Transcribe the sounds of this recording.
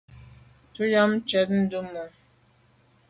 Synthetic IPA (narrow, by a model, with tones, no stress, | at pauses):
tu˦ja˦m˦t͡ʃɛ˨˦t̚n̩˦du˦mə˨